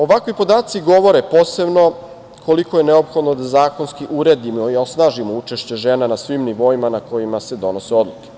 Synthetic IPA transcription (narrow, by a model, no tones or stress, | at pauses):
o̞ʋakʋojpo̞d̪aːt̪siɡo̞ʋo̞ɾepoːse̞bno̞ | kʰo̞liko̞jeneo̞pxo̞d̪nod̪azaːkonskiʔuɾe̞d̪imoio̞snaːʒimout͡ʃe̞ʃt͡ɕe̞ʒenanasʋimniʋo̞imanako̞jimase̞d̪o̞no̞seo̞d̪lˠuke